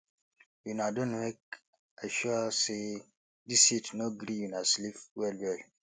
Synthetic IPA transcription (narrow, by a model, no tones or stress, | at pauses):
junadõnmek̚ | aʃuase | disitnoɡɾijunaslifwɛlwɛl